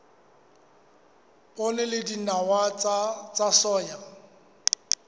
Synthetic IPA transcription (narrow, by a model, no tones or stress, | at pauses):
pʼonɛlɪdinawat͡sʼasɔːja